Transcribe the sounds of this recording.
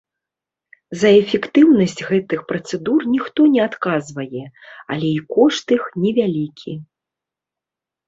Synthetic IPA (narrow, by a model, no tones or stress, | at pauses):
zɐɛfʲɛkt̪ɨwnɐsʲt͡sʲɣɛt̪ɨxpɾɐt̪sɛd̪urnʲixt̪ɔnʲɛat̪kazvɐjɛɐ̰lʲɛikɔʂt̪ɨxnʲɛvʲalʲikʲʰi